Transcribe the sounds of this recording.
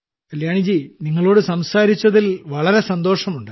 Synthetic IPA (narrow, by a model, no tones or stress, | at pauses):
kɐljaːɳid͡ʑiniŋːɐɭo̞ːɽɨsɐmsaːɾit͡ɕːɐðilʋɐɭɐɾe̞sɐnd̪o̞ːʂɐmuɳɖɨ